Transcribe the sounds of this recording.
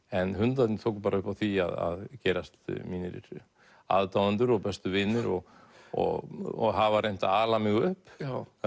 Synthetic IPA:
ɛnɦʏnt̪at̪nt̪ʰoːwkpaːɾaʏhpawθia̰ða̰ðcɛːɾast̪miːnɪɾɪ̰ɾ | a̰ðt̪awant̪ʏɾɔɣpɛst̪ʏvɪnːɪɾɔɣ | ɔ̰ɣɔɣɦavaɾʔejn̥t̪aaːlamʏːɣʏhp

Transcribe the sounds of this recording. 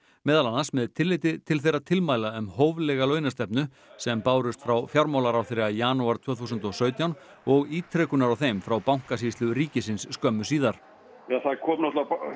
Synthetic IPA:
mɛːðalanːasmɛðt̪ʰɪlːejt̪ɪt̪ʰɪlθejɾat̪ʰɪlmaːjlaœmhowvlɛːɣalœːɥnast̪ɛpnʏ | sɛmpaːwɾʏst̪fɾawfjawɾmawlaɾawθɪɾɪajaːnuaɾt̪ʰvœːθuːsʏnt̪ɔsœːɥt̪jawn | ɔɣiːt̪ʰɾɛːkʏnaɾawθejmfɾawpawŋ̥kasiːst̪lʏɾiːcɪsɪnsːkœmːʏsiːðaɾ̥ | jaθakʰɔːmnɔt̪la

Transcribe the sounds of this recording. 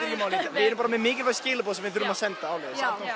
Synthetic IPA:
ɪɪmaːwlivɪɛɾʏmpaɾamɛðmɪːcɪlvajscɪːlapɔːðsɛmvɪðθʏɾʏmaðsɛnt̪aːwleːðɪsa

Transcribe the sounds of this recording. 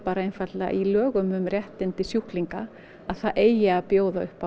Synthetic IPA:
paːɾaejnfat̪la̰ʔilœːɣʏmʏmrjɛht̪ɪnt̪ɪsjuhkliŋka̰ | aðθaʔeːjaːpjoːwðaʏhpa

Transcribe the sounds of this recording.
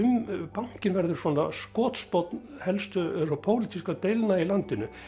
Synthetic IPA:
ʏmpaŋ̥cɪnvɛɾðʏɾ̥sɔːna̰skɔːt̪spɔt̪n | hɛlst̪ʏsɔpʰoːwlit̪ʰiskat̪ejlnailant̪ɪnʏ

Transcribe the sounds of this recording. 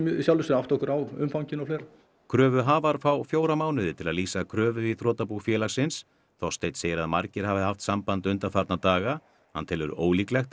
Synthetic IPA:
msjawlʏsɪɾaft̪ɔhkʏɾawʏmfawɲcɪnɔflɛːɾ | kʰɾœːvʏɦaːvaɾ̥fawfjoːwɾamaːwnʏðɪt̪ʰɪlaðliːsakʰɾœːvʏiθɾɔːt̪apuxfjɛːlasɪns | θɔwst̪ejt̪seːjɪɾaðmaɾcɪɾ̥havɪhaft̪sampant̪ʏnt̪afaɾt̪nat̪aːɣa | hant̪ʰɪlʏɾo̰ːwliːklɛxt̪

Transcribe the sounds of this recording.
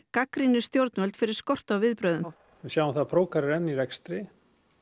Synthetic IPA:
kakɾinɪ̥st̪jowɾt̪nvœlt̪fɪɾɪɾ̥skɔr̥t̪awvɪðpɾœːðʏm | ɪsjaːwɪmθaðpʰɾoːwkaɾɪɾɛnːiɾɛkst̪ɾɪ

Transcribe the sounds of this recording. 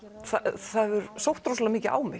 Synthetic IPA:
θaθaɛvʏɾsowht̪ɾowslamiːcɪʔa̰ːwmɪ

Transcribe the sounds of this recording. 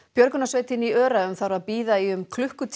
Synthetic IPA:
pjœɾkʏnasveːjt̪ɪniœːɾaʏmθawɾaðpiːðaiʏmkʰlʏhkʏt̪ʰ

